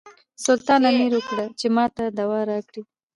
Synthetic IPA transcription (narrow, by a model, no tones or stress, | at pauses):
sʊlt̪ɑnamiɾwʊkɽat͡ʃemɑt̪ad̪awɑɾɑkɽi